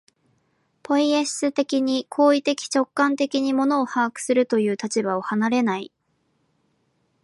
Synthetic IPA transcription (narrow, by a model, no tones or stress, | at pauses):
pʰo̞iesɨt̪e̞kʲiɲ̟ikʰo̞ːit̪e̞kʲi̥t͡ɕo̞kːãnt̪e̞kʲiɲ̟imo̞no̞ːhaːkɯ̟̥sɨɾɯ̟t̪o̞jɯ̟ːt̪at͡ɕibao̞hanaɾe̞nai